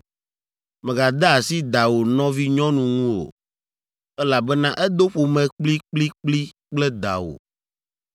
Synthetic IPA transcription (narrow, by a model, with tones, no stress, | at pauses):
mɛ̃˨ɡa˨d̪a˦a˨si˦d̪a˨wo˨nɔ̃˦vi˦ɲɔ̃˦nũ˨ŋũ˦o̰˨ | ɛ˦la˨bɛ˦nã˦ʔɛ˦d̪o˦ɸo˨mɛ̃˨k͡pli˦k͡pli˦k͡pli˦k͡plɛ˦d̪a̰˨wo̰˨